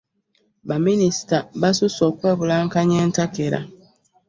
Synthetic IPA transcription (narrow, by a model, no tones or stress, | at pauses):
bamĩnistabasʊsɔkwɛbulaŋ̩kaɲɛn̩takeɾa̰